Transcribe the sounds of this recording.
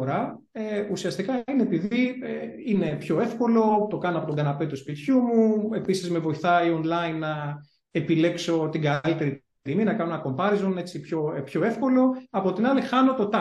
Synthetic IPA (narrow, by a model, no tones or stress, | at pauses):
ɾɐ | eusiɐst̪ikɐineepiðie | ine̞pço̞e̞fko̞lo̞t̪o̞kɐnoɐpo̞t̪oɡɐnɐpe̞t̪uspit̪çumue̞pisizme̞vo̞iθɐio̞nlɐinːɐ | epile̞kso̞t̪iɡɐlit̪e̞ɾi | iminɐkɐno̞enɐko̞mpɐɾizo̞ne̞t͡sipço̞pço̞e̞fko̞lo̞ɐpo̞t̪inɐlixɐno̞t̪ot̪ɐ